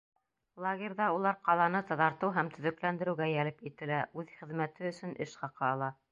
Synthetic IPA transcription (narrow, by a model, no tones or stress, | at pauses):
lˠaɡʲeɾʲðɑulˠɑɾqɑlˠɑnɤt̪ɑðɑɾt̪ɤwɦæmt̪ʰɵ̆ðɵ̆klænd̪ɘ̆ɾɘ̆wɡæjælɘpit̪ɘ̆læʔʉðχɘ̆ðmæt̪ɘɵ̆sɵ̆nʔɘʃχɑqɑɑlˠɑ